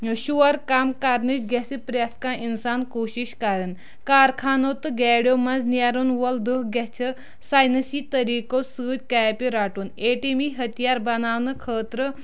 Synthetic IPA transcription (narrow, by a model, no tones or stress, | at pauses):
ʃuɐɾkaːmkaɾnit͡ʃɡɛsipɾaskãʔinsaːnkoːʃiʃkɐɾɨn | kaːɾkʰaːnoːt̪ɨɡɛːɽjomɐnznjaɾunʋɐld̪ukɡɛt͡ʃʰɐ | saːjnɐsiːt̪ɐɾiːkosɨːd͡ʒʲkaːjpiɾaːʈuneːʈimiɦɐt̪ijaːɾbɐnaːʋnɨkʰəːt̪ɾə